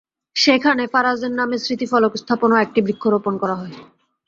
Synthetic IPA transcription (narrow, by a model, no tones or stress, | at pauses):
ʃekʰanefaɾazeɾnamesɾit̪ifɔlokst̪ʰaponoɛk̚ʈibɾikʰːoɾoponkɔɾaɦɔe